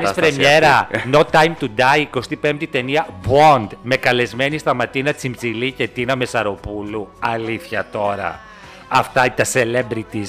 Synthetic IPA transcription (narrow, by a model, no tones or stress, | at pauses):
nisfɾemɲeɾɐnot̪ɐjmt̪ud̪ɐjko̞st̪ipe̞mp̚t̪it̪e̞niɐbond̪me̞kɐle̞zme̞nist̪ɐmɐt̪inɐ̥t͡simbzilice̞t̪inɐme̞sɐɾo̞puluɐliθçɐt̪o̞ɾɐ̰ | ɐft̪ɐit̪ɐse̞lebɾit̪is